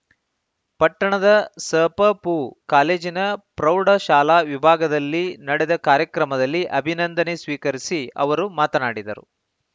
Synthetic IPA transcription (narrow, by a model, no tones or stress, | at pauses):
pɐʈːɐɳɐd̪ɐsɐːpɐpukaːleːd͡ʒinɐpɾɐwɖɐʃaːlaːʋibʱaːɡɐd̪ɐlːinɐɽɛd̪ɐkaːɾjɐkɾɐmɐd̪ɐlːiʔɐbʱinɐnd̪ʱɐnesʋiːkɐɾisiɐ̰ʋɐɾumaːt̪ɐnaːɽid̪ɐɾṵ